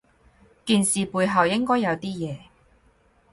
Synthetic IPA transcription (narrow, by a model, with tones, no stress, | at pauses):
kiː˨˧nsiː˨puː˧jɦɐ˨wjɪ˥ŋkɔː˥jɐ˨˧wt̪iː˥jɛː˨˧